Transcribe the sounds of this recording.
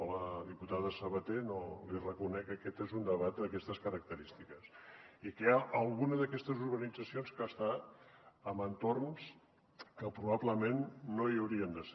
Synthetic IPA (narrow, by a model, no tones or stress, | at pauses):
ləðiput̪aðəsəβət̪enolirəkunɛkəkɛt̪ezund̪əβat̪̚d̪əkɛst̪əskəɾək̚t̪əɾist̪ikəsikəaʔəlˠɣunəðəkɛst̪əzuɾβənid͡zəsionskast̪a | əmənt̪orns | kəpɾuβaβləmenːoiəwɾiənd̪əs